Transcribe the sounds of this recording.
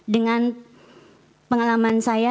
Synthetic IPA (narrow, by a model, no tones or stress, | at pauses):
dəŋan | pəŋalamansaja